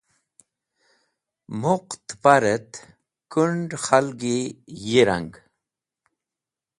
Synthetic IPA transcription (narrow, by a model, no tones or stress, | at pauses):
muqt̪paɾət̪ | kuɳɖxalɡijiɾa̰ŋɡ